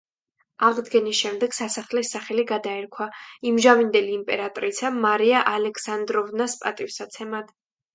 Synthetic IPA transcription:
aʁd̪ɡɛnisʃɛmd̪ɛɡ̥sasaχlɛsaχɛliɡad̪aɛɾkʰwaimʒamind̪ɛliːmpʼɛɾat̪ʼɾisʰamaɾiaʔalɛkʰsand̪ɾɔvnaspʼat̪ʼifsat̪sʰɛmad̪̥

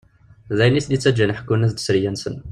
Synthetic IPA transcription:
zæjnislit͡sːæd͡ʒænəħə̥kːunæsd̪ə̥sɾəjænsən

